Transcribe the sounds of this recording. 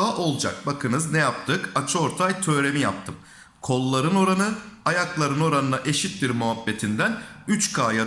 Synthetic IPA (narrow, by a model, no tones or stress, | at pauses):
aʔo̞lˠd͡ʒa̰k̚bakʰɯnɯznɛjap̚t̪ʰɯkat͡ʃʰɯo̞ɾt̪ʰajt̪ʰø̞ːɾe̞mija̰p̚t̪ʰɯm | kʰo̞lˠːaɾɯno̞ɾanɯajaklˠaɾɯno̞ɾanɯnaʔe̞ʃit̪d̪iɾmuɦabːe̞t̪ʰind̪ænyt͡ʃkʰaːja